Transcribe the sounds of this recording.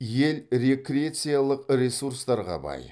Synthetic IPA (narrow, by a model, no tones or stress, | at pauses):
je̞lɾʲe̞kɾʲat̪sɨjalˠəqɾʲesuɾst̪ɑɾʁɑ̰bɑ̰j